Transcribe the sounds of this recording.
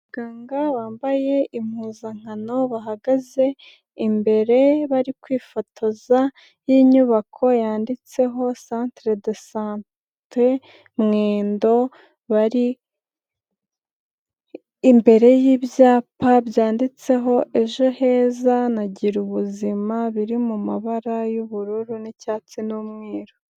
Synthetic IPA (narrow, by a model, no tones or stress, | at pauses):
βaɡaːŋɡaβaːmbaje̞im̥huːzaŋ̥ano̞βaɦaɡaze̞ | imbe̞ɾe̞βaɾikwiːfotʰoza | jiɲuβakʰo̞jaːndit͡se̞ɦo̞saːntɾedesan | te | mŋeːndo̞ | βaɾi | mbe̞ɾe̞jiːβjaːpabjaːndit͡se̞ɦo̞ʔe̞ʒo̞he̞ːzanaɟiɾuβuzimaβiɾimumaβaɾajuβuɾuɾunicaːt͡sinomŋiːɾo